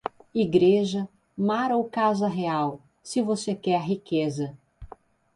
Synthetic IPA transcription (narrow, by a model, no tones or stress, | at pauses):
iɡɾeʒɐ | maɾowkazɐɦeaw | sɪvosekɛɾɦikezɐ